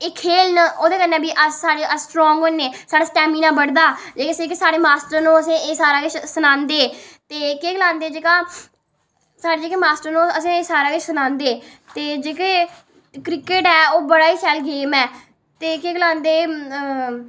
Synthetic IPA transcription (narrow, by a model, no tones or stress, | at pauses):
eːkʰeːlnoːd̪eːkənːẽːbiːʔəsaːɽeʔəsʈɾɔ̃ːŋɡonːeːsaːɽaːsʈɛːmiːnãːbəɽd̪aːd͡ʒeːkesẽːkesaːɽeːmaːsʈəɾnũːəsẽːeːsaːɾaːkɪt͡ʃsənãːnd̪eːt̪eːkeːɡəlãːnd̪eːd͡ʒeːkaː | saːɽeːd͡ʒeːkeːmaːsʈəɾnũːəsẽːeːsaːɾaːkət͡ʃsənãːnd̪eː | t̪eːd͡ʒeːkeː | kɾɪkeʈɛːoːbəɽaːiːsɛːlɡeːmɛː | t̪eːkeːɡəlãːnd̪eː